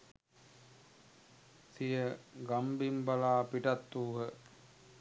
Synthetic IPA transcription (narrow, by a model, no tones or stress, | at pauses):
sijəɡambimbalaːpiʈat̪ːuːɦə